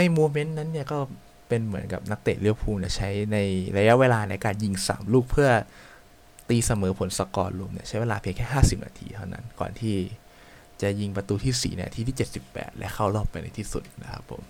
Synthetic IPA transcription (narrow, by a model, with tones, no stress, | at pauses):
na˧˩jmoː˧me˦˥nna˦˥nːi˥˩ɐkɔː˥˩ | pe˧nmɯ˩˦ənka˨˩p̚na˦˥k̚t̪eː˨˩t̪̚li˦˥˩əpʰuː˧mni˦˥˩t͡ɕʰa˦˥jna˧jɾa˧ja˦˥ʔweː˧laː˧na˧jkaː˧nji˧ŋsa̰ː˩˦mluː˥˩k̚pʰɯ˥˩ɐ | t̪iː˧sa˧mɤː˩˦pʰo˨˩˦nsa˧kɔː˧nlu˧əmni˥˩ɐt͡ɕʰa˦˥jweː˧laː˧pʰi˧əŋkʰɛː˥˩ɦaː˥˩si˨˩p̚na̰ː˧t̪ʰḭː˧t̪ʰa˥˩wna̰˦˥nkɔ̰ː˨˩nt̪ʰiː˥˩ | t͡ɕa˨˩ji˧ŋpɾa˧t̪uː˧t̪ʰiː˥˩sḭː˩˦nḭ˥˩˨t̪ʰiː˥˩iː˥˩t͡ɕe˨˩t̪̚si˨˩pːɛ̰ː˨˩t̪̚lɛ̰˦˥kʰa˥˩wlɔː˥˩pːa˧jna̰˧jt̪ʰiː˥˩sṵ˨˩t̪̚na̰˦˥kʰa˦˥pʰːo̰˩˦m